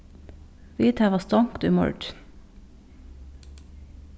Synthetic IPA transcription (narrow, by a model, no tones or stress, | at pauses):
ʋiːt̪ʰæːʋɑst̪ɑŋkt̪ʉ̰ːmʊ̰ɹɖ